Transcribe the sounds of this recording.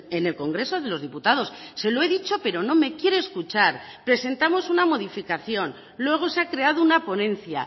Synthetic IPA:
e̞ne̞lko̞ŋɡɾe̞so̞ðe̞lo̞zðiput̪að̞o̞sse̞lo̞e̞ðit͡ʃo̞pe̞ɾo̞no̞me̞kje̞ɾeːskut͡ʃaɾ | pɾe̞se̞nt̪amo̞sunamo̞ðifikaθjo̞n | lwe̞ɣ̞o̞seakɾe̞að̞ounapo̞nẽ̞n̟θja̰

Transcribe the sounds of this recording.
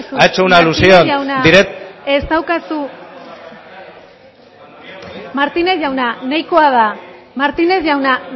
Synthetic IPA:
suaet͡ʃeunalusionawnad̪iɾet̪e̞st̪awkasu | maɾt̪ine̞sʝawnanajko̞að̞a | maɾt̪ine̞zʝawna

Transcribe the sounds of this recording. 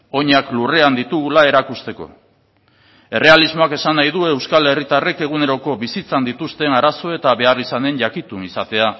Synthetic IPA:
o̞ɲaklure̞and̪it̪uɣulae̞ɾakust̪e̞ko̞̰ | e̞re̞alizmo̞ake̞sanajðue̞wskale̞rit̪are̞ke̞ɣ̞une̞ɾo̞ko̞βisit͡sand̪it̪ust̪e̞naɾaso̞e̞t̪aβe̞arisane̞nʝakit̪unisat̪e̞a

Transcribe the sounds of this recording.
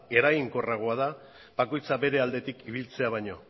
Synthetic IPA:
e̞ɾajiŋko̞raɣ̞o̞að̞a | bako̞jt͡saβe̞ɾe̞ald̪e̞t̪ikiβilt͡se̞aβajɲo̞

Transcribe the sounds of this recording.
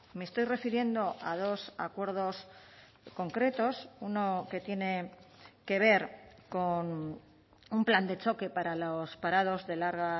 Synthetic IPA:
mest̪o̞jre̞fiɾje̞nd̪o̞ʔað̞o̞sa̰kwe̞ɾð̞o̞s | ko̞ŋkɾe̞t̪o̞suno̞ke̞t̪je̞ne̞ke̞β̞e̞ɾko̞n | umpland̪e̞t͡ʃo̞ke̞paɾalospaɾað̞o̞zðe̞laɾɣa

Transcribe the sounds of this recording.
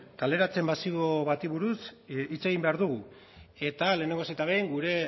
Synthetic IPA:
kale̞ɾat͡se̞mbasioβat̪iβuɾusit͡se̞ɣ̞imbe̞aɾðuɣ̞u | e̞t̪ale̞ːne̞ŋɡo̞set̪aβejŋɡuɾe̞

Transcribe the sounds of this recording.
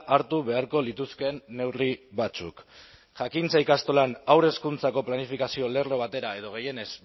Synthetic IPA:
ʔaɾt̪uβe̞aɾko̞lit̪uske̞nːe̞wriβat͡sṵk | ʝakint͡sajkast̪o̞lanawɾe̞skunt͡sako̞planifikasio̞le̞ro̞β̞at̪e̞ɾae̞ð̞o̞ɣe̞je̞ne̞z

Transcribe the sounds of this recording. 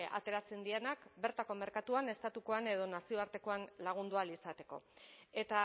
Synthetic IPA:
a̰t̪e̞ɾat͡se̞nd̪ienakbe̞ɾt̪ako̞me̞ɾkat̪uane̞st̪at̪uko̞ane̞ð̞o̞nasio̞aɾt̪e̞ko̞anlaɣ̞und̪ualisat̪e̞ko̞̰e̞t̪a

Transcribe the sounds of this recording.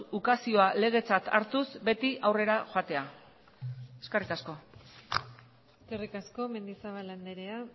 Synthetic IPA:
ukasio̞ale̞ɣ̞e̞t͡sat̪aɾt̪usbe̞t̪iʔawre̞ɾaxoat̪e̞a | eskerit̪asko̞ | eskerikasko̞me̞nd̪isaβaland̪eɾea

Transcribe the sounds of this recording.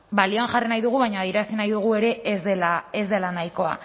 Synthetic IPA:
balioanʝarinajðuɣ̞uβajɲaːðieɾasinajðuɣ̞ue̞ɾe̞zelae̞zd̪e̞lanajko̞a̰

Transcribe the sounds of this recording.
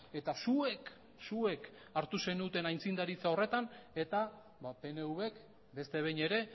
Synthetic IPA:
e̞t̪asuek | sue̞k | aɾt̪use̞nut̪e̞najnt͡sind̪aɾit͡sao̞re̞t̪ane̞t̪a | bape̞ne̞uβe̞k | be̞st̪e̞β̞ejɲe̞ɾe̞

